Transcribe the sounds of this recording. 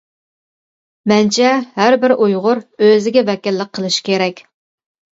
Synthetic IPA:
mɛnt͡ʃʰɛhæɾbɪɾʔujʁʊɾøzɪɡʲɛbɛkʲɪlːɪk̚qʰːəlˠɨʃkʲeɾɛkʲ

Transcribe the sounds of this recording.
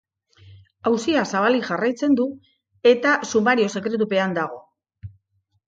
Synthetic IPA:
awsiasaβ̞aliʝarajt͡se̞nd̪u | e̞t̪asumaɾio̞se̞kɾe̞t̪̬upe̞and̪aɣ̞o̞

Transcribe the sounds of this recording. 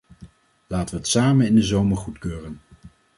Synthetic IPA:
laːtəʋəɦətsaːmənɪndəzowməɹχutkøːrən

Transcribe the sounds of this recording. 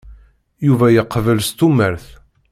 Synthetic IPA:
juvæjəqːvəlst̪uməɾθ

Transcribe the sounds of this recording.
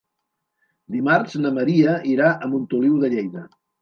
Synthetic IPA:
d̪imaɾznəməɾiəʔiɾaʔəmbunt̪uliwðəʎejðə

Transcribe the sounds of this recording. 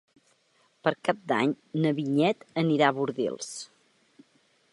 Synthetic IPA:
pəɾkap̚d̪a̰ɲ | nəβiɲɛt̪əniɾaβuɾðḭlˠs

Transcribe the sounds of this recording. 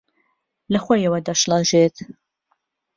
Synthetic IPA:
lɐxʷojɐwɐd̪aʃlɑʒet̪

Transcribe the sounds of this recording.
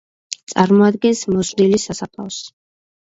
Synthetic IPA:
t̪sʼaɾmɔad̪ɡɛnsmɔsd̪ilisasapʰʼas

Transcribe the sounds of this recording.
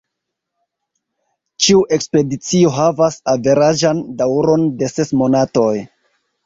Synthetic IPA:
t͡ʃiuʔe̞kspe̞dit͡sio̞ɦavasave̞ɾaʒandawɾo̞nde̞se̞smo̞nato̞j

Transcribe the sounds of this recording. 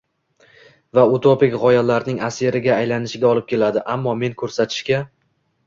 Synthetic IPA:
vaut̪ʰopɪkʲʁɒjalaɾnɪŋaseɾɪɡʲaːjlanɪʃɪɡʲaɒlˠɪp̚kʲe̞lad̪ɪʔamːɒme̞ŋkʰɵɾsat̪ʰɪ̥ʃkʲa

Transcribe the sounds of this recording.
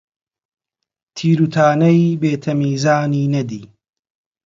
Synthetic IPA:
t̪ʰiːɾut̪ʰaːnɐjbeːt̪ʰɐmiːzaːniːnɐd̪ḭː

